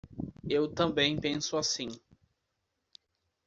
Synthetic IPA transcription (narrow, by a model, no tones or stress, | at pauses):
ewt̪ɐ̃mbẽj̃pẽsʊasĩ